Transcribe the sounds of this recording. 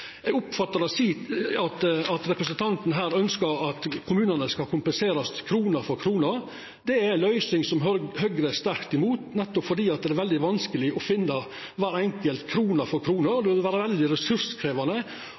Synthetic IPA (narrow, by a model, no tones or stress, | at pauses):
ɛɡʊpfɑt̪ːəɾɑsiːɑt̪ɑt̪ɾɛpɾəsənt̪ʰɑnt̪n̩ɦæːɾœnskəɾɑt̪kʰʊmʉːnənəskɑlkʰʊmpənseːɾɑst̪ʰɪkʰɾuːnəɾfɔɾkʰɾuːnəɾ | d̪ɛæɾɛɪnlœʏsɪŋsɔmhœɡɾəæst̪æɾkt̪ɪmuːt̪nɛt̪ːɔpfɔɖ̪iːɑt̪̚d̪ɛæɾʋɛld̪ɪʋɑnskəlɪɔfɪnːɑ | ʋæːɾɛŋkəlt̪kʰɾuːnəɾfɔɾkʰɾuːnəɾd̪ɛʋɪlʋæːɾəʋɛld̪ɪɾɛsʉɾskʰɾeːʋɑnə